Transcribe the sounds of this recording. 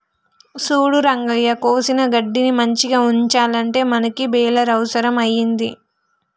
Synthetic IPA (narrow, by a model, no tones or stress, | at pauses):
suːɽuɾɐŋɡɐɭjɐkoːsinɐɡɐɖːinimɐɲt͡ʃiɡaːuɲt͡ʃaːlɐɳʈe̞ːmɐnɐkibɛːlɐɾɐwɐsɐɾɐmɐjːind̪i